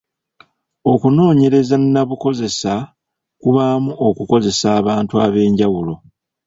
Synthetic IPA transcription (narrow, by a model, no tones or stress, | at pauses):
o̞kuno̞ːɲe̞ɾe̞zannaβuko̞ze̞sa | kuβamuʔo̞kuko̞ze̞saːβaːntuaβe̞ːɲɟawulo̞